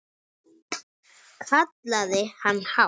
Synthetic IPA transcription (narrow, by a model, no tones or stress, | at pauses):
kat̪̚laðehanha